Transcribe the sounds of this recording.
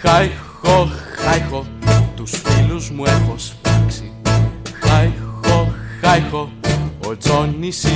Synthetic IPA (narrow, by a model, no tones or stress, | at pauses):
xaj | xoxajxot̪usfiluzmuexospɐksixajxoxajxoː | t͡sonisi